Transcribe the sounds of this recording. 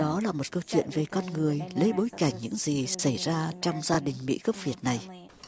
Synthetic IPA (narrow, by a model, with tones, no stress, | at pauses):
ɗɔ˨˦laː˨˩mo˨˩t̚kə˧wt͡ɕwḭ˧˨ənve˨˩kɔ˧nŋɨ˨˩əjlə˨˦jɓo˨˦jka˧˩jŋ̟ɲɨ̰˧˥ŋzi˨˩sa˧˩jzaː˧t͡ɕɔ˧wŋ͡mzaː˧ɗï˨˩ŋ̟mḭ˧˥ɣə˦˥p̚vi˨˩ət̚na˨˩j